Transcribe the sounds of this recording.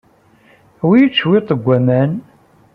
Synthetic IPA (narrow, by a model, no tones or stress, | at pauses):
wijət͡sːwɪt̪ˤəɡʷːæmæn